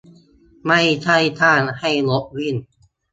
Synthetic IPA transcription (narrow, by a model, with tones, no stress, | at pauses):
ma˥˩jt͡ɕʰa˥˩jt̪ʰaː˥˩nha˥˩jlo˦˥k̚wi˥˩n